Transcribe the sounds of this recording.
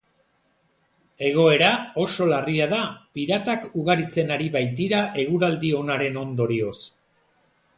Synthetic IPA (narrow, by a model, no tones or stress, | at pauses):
e̞ɣ̞o̞e̞ɾao̞so̞lariaðapiɾat̪akuɣaɾit͡se̞naɾiβajt̪iɾaʔe̞ɣ̞uɾald̪io̞naɾe̞no̞nd̪o̞ɾio̞s